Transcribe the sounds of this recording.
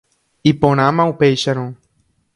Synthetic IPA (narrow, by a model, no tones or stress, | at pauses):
ipõɾ̃ãmãupejʃaɾ̃õ